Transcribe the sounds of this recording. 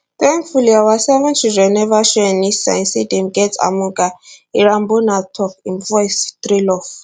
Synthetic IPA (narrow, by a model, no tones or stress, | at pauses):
t̪ɛŋfuliawasɛvɛnt͡ʃʰiʒʷɛnɛvaʃɛnisa̰insidimɡɛt͡sa̰muŋkʼaiɾambunat̪ʰɔkʰinvɔjst̪ɾilɔf